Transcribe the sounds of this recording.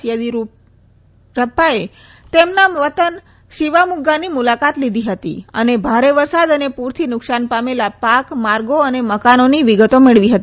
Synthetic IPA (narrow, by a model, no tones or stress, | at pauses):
jəd̪i | ɾəpːae | t̪emnaʋət̪ən | ʃiʋamuɡanimulakat̪lid̪ʱiɦət̪ḭə̰nebʱaɾeʋəɾsad̪ənepuɾt̪ʰinʊksanpamelapakmaɾɡoəneməkanoniʋiɡət̪omeɭʋiɦət̪i